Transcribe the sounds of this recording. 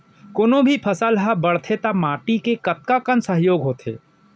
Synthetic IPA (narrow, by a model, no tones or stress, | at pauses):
koːnõbʱipʰɐsəlɦabɐɽt̪ʰet̪amaːʈikekɐt̪̚kakənsəɦjoːɡɦoːt̪ʰḛː